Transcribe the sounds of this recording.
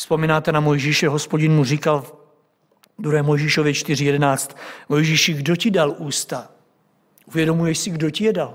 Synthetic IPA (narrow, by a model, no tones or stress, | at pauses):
spo̞miːnaːt̪ɛnamo̞jʒiːʃɛɦo̞spo̞ɟɪnmuriːkalv | d̪ɾuɦɛːmo̞jʒiːʃovjɛt͡ʃt̪ɪrɪjɛdɛnaːt͡st̪mo̞jʒiːʃɪɡdo̞cɪdalʔuːst̪a | ʔuvjɛdo̞mujɛʃsɪɡdo̞cɪjɛdal